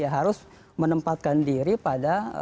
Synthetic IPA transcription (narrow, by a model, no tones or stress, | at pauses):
jaɦaɾʊs | mənəmpat̪̚kandiɾipada